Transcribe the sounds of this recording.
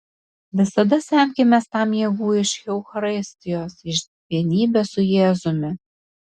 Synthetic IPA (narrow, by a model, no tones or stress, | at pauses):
ʋʲɪsɐd̪ɐsʲɛˑmʲkʲɪmʲɛst̪ɑˑmjɛɡuːɪʃʲɛʊxɐɾɪsʲt̪ʲɪjoːsɪʃʲ | ʋʲiɛnʲiːbʲɛsʊjeːzʊmʲɪ